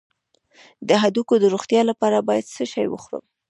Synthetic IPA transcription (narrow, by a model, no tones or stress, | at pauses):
d̪əɦad̪ukod̪əɾoxt̪jɑlapɑɾabɑjad̪səʃɑjwə̰xɾə̰m